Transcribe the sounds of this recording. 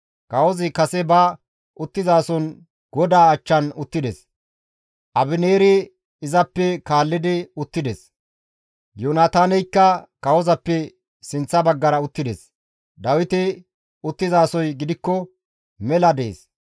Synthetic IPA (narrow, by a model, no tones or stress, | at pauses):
kɐwɔzɪkɐsɛbɐ | ʔʊt̪ːɪzaːsɔn | ɡ̥ɔd̪aːt͡ʃːɐnʊt̪ːɪd̪ɛs | ʔɐbɪneːɾɪ | ɪzɐpːɛkaːlːɪd̪ɪʊt̪ːɪd̪ɛs | jonaːt̪aːnɛjkːɐkɐwɔzɐpːɛ | sɪnt͡sːɐbɐɡːɐɾɐʊt̪ːɪd̪ɛs | d̪ɐwɪt̪ɪ | ʊt̪ːɪzaːsɔjɡɪd̪ɪkːɔ | mɛlɐd̪ḛːs